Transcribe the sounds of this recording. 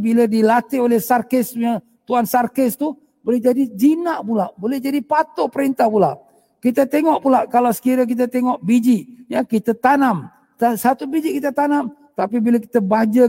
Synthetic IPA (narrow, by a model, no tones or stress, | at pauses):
bilədilat̪ɪolɛhsarkɪsuɲa | t̪uansarkɪst̪u | bolɛhd͡ʒadid͡ʒinaʔpulaʔbolɛhd͡ʒadipat̪opəɾint̪ahpulaʔ | kit̪ət̪eŋɔʔpulaʔkalasə̥kiɾək̬it̪̬ət̪eŋɔʔbid͡ʒiʔjakit̪ət̪anam | t̪asat̪ubid͡ʒiʔkit̪ət̪anam | t̪apibilaki̥t̪əbad͡ʒə